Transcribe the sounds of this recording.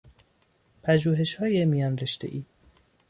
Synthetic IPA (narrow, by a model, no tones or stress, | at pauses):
pʰæʒuːɦe̞ʃhɒːjemijɒːnreʃt̪ḛʔiː